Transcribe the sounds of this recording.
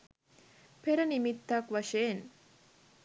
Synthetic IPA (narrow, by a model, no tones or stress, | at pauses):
peɾɐnimit̪ːɐkʋɐʂeːn